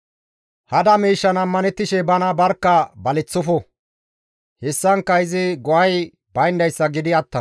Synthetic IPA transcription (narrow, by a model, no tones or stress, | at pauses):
hɐd̪ɐmiːʃːɐnɐmːɐnɛt̪ːɪʃɛbɐnɐbɐɾkːɐbɐlɛt͡sːʊfɔ | hɛsːɐŋkːɐɪzɪɡɔʔɐj | bɐjnd̪ɐjsːɐɡɪd̪ɪɐt̪ːɐ